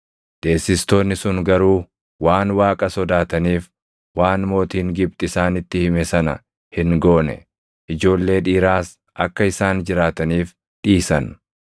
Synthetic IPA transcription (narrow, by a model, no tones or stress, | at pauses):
d̪̥e̞ːsːɪst̪o̞ːnːɪsʊŋɡɐɾuː | waːnwaːkʼɐsɔd̪aːt̪ɐniːf | waːnmo̞ːt̪iːŋɡɪb̚t̪ʼɪsaːnɪt̪ːɪhɪmɛsɐnɐ̰ | hɪŋɡoːnɛ̰ | ʔɪd͡ʒo̞ːlːe̞ːᶑiːɾaːs | ʔɐkːɐɪsaːnd͡ʒɪɾaːt̪ɐniːf | ᶑiːsɐn